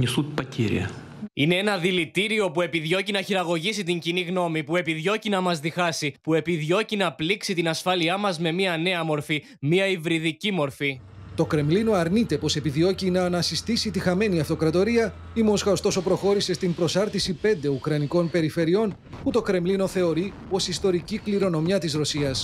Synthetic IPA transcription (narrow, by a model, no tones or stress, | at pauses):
ɲisut̪̚pɐtʲʰḭɾʲḭɐ̰ | ine̞enɐðilit̪iɾio̞pue̞piðʝo̞cinɐçiɾɐɣo̞ʝisit̪iɲciniɣno̞mipue̞piðʝo̞cinɐmɐzðixɐsipue̞piðʝo̞cinɐpliksit̪inɐsfɐliɐmɐzme̞miɐne̞ɐmo̞ɾfi | miɐivɾiðicimo̞ɾfi | t̪o̞kɾe̞mlino̞ɐɾnit̪e̞po̞se̞piðio̞cinɐːnɐsist̪isit̪ixɐme̞niɐft̪o̞kɾɐt̪o̞ɾiɐ | imo̞sxɐost̪o̞so̞pɾo̞xo̞ɾise̞st̪impɾo̞sɐɾθisipe̞nd̪e̞ukɾɐniko̞npe̞ɾife̞ɾio̞n | put̪o̞kɾe̞mlino̞θe̞o̞ɾi | po̞sist̪o̞ɾicikliɾo̞no̞mjɐt̪izɾo̞siɐs